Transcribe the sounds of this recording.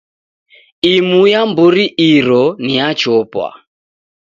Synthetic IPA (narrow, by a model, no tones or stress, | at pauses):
imujambuɾiʔiɾɔniat͡ʃɔpwa̰